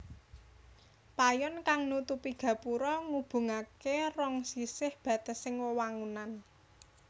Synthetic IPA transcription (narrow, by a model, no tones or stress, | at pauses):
pajɔnkaŋnut̪upiɡ̥ä̤puɾɔŋub̥ṳŋakerɔŋsisɪhb̥ä̤t̪əsɪŋwəwaŋunan